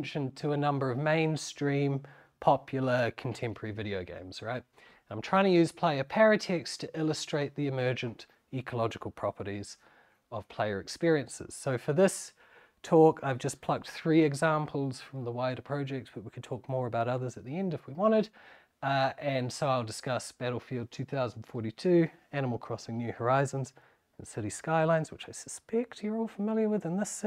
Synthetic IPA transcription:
nʃɨ̃ntʰəːnʌ̃mbə˞ʌvmẽɪ̃nstɹ̥ĩm | pʰɑpʰjl̩ˠə˞kʰn̩tʰɛ̃mpʰə˞ə˞ivɪɾioʊɡḛ̃ɪ̃mz̥ɹaɪt̚ | nãɪ̃mtʰɹ̥aɪɪ̃ŋtʰɨjʉz̥pʰl̥eɪə˞pʰæɹɨtʰɛkstʰɨʔɪlˠəstɹ̥eɪt̪̚ðiɨmɜ˞d͡ʒɨ̃nt | ikʰəlɑd͡ʒɨkəl̩ˠpʰɹ̥ɑpə˞ɾiz̥ | ʌv̥pʰl̥eɪə˞ɨkspɪɹiɨ̃nsɨ̰z̥soʊfə˞ðɪs | tʰɔkʰaɪvd͡ʒʌspʰl̥ʌk̚t̪θɹiɨɡzæ̃mpʰl̩ˠz̥fɹʌ̃mðəwaɪɾəpʰɹ̥ɑʊd͡ʒɛk̚tsb̥ʌt̚wikʰɨd̚tʰɔk̚mɔɹəbaʊɾʌðə˞zɨt̪̚ðiɛ̃ndɨfwiwɑ̃ɾ̃ɨɾ | ɨ̃nsoʊaɪlˠdɨskʌsb̥æɾl̩ˠfilˠd̚tʰʉθaʊzn̩fɔɹɾitʰʉæñəml̩ˠkʰɹ̥ɔsɪ̃ŋnjʉhə˞aɪzə̃nz̃ | nsɪɾiskaɪlãɪ̃nz̥wɨt͡ʃaɪsə̥spɛk̚tjə˞ɔlˠfəmɪlˠjə˞wɨðɨ̃nðɪs

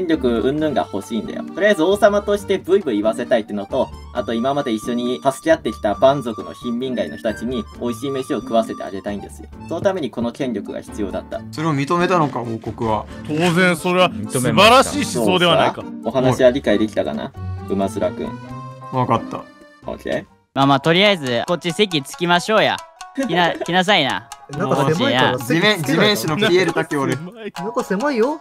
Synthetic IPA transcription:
kẽɲɾʲo̞kɯ̟ɯ̟̃nd̪ɯ̟̃ŋɡa̰ho̞ɕĩːnd̪a̰jo̰t̪o̞ɾʲiaizɨo̞ːsamat̪o̞ɕi̥t̪e̞bɯ̟ibɯ̟iβase̞t̪ait̪ːeɯ̟not̪o̞ | a̰t̪o̞imamad̪e̞iɕːo̞ɲ̟ihasɨ̥kʲiat̪ːe̞kʲi̥t̪abãnzo̞kɯ̟no̞̰çĩmbʲĩŋɡaino̞çt̪ot̪at͡ɕiɲ̟io̞iɕiːmeɕio̞kɯ̟βase̞t̪e̞̰a̰ɡe̞t̪aĩnd̪e̞sɨjo̰sono̞t̪ame̞ɲ̟iko̞no̞kẽ̞ɲɾʲo̞kɯ̟ɡa̰çi̥t͡sɨjo̞ːd̪at̪ːa̰soɾeomʲit̪o̞me̞t̪ano̞kaoːkokɯ̟βat̪ʰoːzẽɰ̃so̞ɾe̞βamʲit̪omeaɾaɕiːɕisːsoːd̪e̞βanakao̞ɦanaɕiβaɾʲikaid̪e̞kʲi̥t̪aka̰na̰̥ɯ̟mazɨɾakɯ̰̃ɴβakat̪ːa̰ | o̰ːkʲḛ | maːmaːt̪o̞ɾʲiaizɨko̞t̚t͡ɕːise̞k̬ʲit͡sɨ̥kʲimaɕo̞ːja̰inakʲinas̬aina̰kot͡ɕiaimẽd͡ʑimẽɰ̃ɕinopʲieɾɯ̟t̪akeoɾeksemaijo

